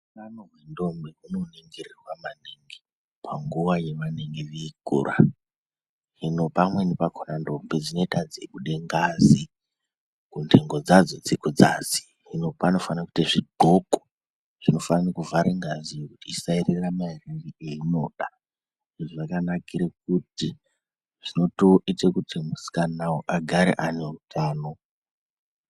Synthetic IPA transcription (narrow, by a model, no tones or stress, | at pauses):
ukanoɦwendo̞mbeuno̞niŋɡirirwamaneŋɡe | pʰaŋɡuwaje̞ʋaneŋɡeʋeiɡʱṵːra̰ | ɦino̞pamwe̞nepakʰonando̞mbed͡zino̞itad͡zeɓuɗe̞ŋɡazi | kundeŋɡo̞d͡zad͡zo̞d͡zekud͡za̰zi̥ | ɦino̞pano̞fanaku̥tiʐiɡʱo̞ko̥ | ʐ̥ino̞fananekuvaɾeŋɡazijekutiːsaireramairirieino̞ːɗa | ʐʐʐakanakiɾek̚uti | ʐ̥ino̞to̞ʔitekutʰimusi̥kanawoʔaɡʱaɾḛʔanerutʰaːno̞